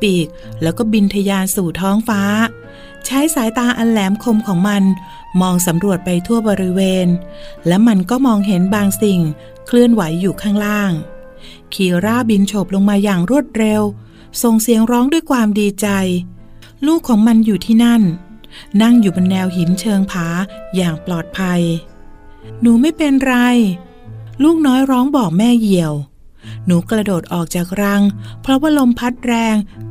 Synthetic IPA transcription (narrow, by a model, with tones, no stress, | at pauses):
piː˨˩k̚lɛː˦˥wkɔː˥˩bi˧nt̪ʰa˧jaː˧nsuː˨˩t̪ʰɔː˦˥ŋfaː˦˥ | t͡ɕʰa˦˥jsaː˨˩˦jt̪aː˧ʔa˧nlɛː˩˦mkʰo˧mkʰɔː˩˦ŋma˧n | mɔː˧ŋsa˩˦mɾu˨˩ət̪̚pa˧jt̪ʰu˥˩əbɔː˧ɾi˦˥weː˧nlɛ˦˥wma˧nkɔː˥˩mɔː˧ŋɦe˩˦nbaː˧ŋsi˨˩ŋ | kʰlɯ˥˩ənwa˩˦jːuː˨˩kʰaː˥˩ŋlaː˥˩ŋ | kʰiː˨˩wɾaː˥˩bi˧nt͡ɕʰo˨˩p̚lo˧ŋmaː˧jaː˨˩ŋɾu˥˩ət̪̚ɾe˧w | so˨˩ŋsi˨˩˦əŋɾɔː˦˥ŋdu˥˩əjkʰwaː˧mdiː˧t͡ɕa˧j | luː˥˩kʰːɔː˩˦ŋma˧njuː˨˩t̪ʰiː˥˩na˥˩nː | a˥˩ŋjuː˨˩bo˧nːɛː˧wɦi˨˩˦nt͡ɕʰɤː˧ŋpʰaː˩˦jaː˨˩ŋplɔː˨˩t̪̚pʰa˧j | nuː˩˦ma˥˩jpe˧nɾa˧j | luː˥˩k̚nɔː˦˥jɾɔː˦˥ŋbɔː˨˩k̚mɛː˥˩ji˨˩əw | nuː˩˦kɾa˧doː˨˩t̪̚ʔɔː˨˩k̚t͡ɕaː˨˩k̚ɾa˧˥ŋpʰɾɔ˦˥waː˥˩lo˧mpʰa˦˥t̪̚ɾɛː˧ŋ